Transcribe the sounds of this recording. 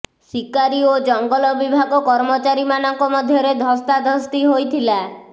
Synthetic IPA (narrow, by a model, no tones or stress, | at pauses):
sikaɾiod͡ʒɔŋɡɔlɔbibʱaɡɔkɔɾmɔt͡ʃaɾimanɔŋkɔmɔd̪ʱjɔɾed̪ʱɔst̪ad̪ʱɔst̪iɦojt̪ʰila